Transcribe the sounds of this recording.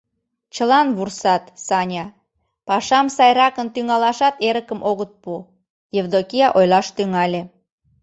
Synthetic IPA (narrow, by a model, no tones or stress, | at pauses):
t͡ɕəlɑnβursɑt̪sɑnʲɑ | pɑʃɑmsɑjrɑkənt̪yŋɑlɑʃɑt̪eɾəkəmʔoɣət̪̚pu | jevd̪okijɑʔojlɑʃt̪yŋɑlʲe